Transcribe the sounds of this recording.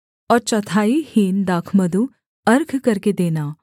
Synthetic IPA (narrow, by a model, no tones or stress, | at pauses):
ɔːɾt͡ʃɐt̪ʰaːihiːnd̪aːkʰməd̪u | ɐɾɡʱkɐɾked̪eːnaː